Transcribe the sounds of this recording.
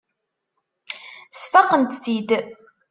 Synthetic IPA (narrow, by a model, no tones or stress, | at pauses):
sfɑqənt̪sid̪